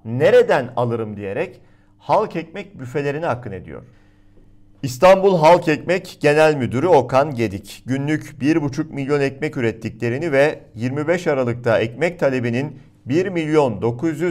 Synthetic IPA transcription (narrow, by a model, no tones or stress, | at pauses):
ne̞ɾe̞d̪ænalˠɯɾɯmd̪ije̞ɾɛc | halˠkɛc̚mɛc̚byfe̞lʲe̞ɾiniɦakʰːɯne̞d̪ḭjo̰ɾ̥ | ist̪ʰanbulˠɦalˠkɛcmɛcɟ̥e̞nælʲmyd̪yɾyo̞kʰanɟe̞d̪icɟynlʲycbiɾbut͡ʃʰuk̚milʲjo̞nɛcmɛcyɾɛt̪ʰːiclʲe̞ɾinivɛjiɾmibɛʃaɾalˠɯk̚t̪ʰaɛcmɛc̚t̪ʰalʲe̞binin | biɾmilʲjo̞nd̪o̞kʰuzjy